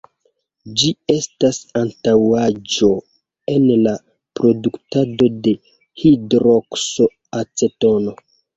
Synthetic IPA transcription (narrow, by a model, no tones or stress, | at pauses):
d͡ʒie̞stasantawad͡ʒo̞ | e̞nla | pɾo̞duktado̞de̞ | hidɾokso̞ | at͡se̞to̞no̞